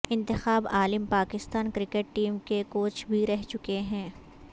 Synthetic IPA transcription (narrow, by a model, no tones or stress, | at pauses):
ɪ̃nt̪ɪxaːbaːlɪmpaːkɪst̪aːnkɾɪkeʈ̚ʈiːmkekoːt͡ʃbʱiɾɛɦt͡ʃʊkeɦɛ̃ː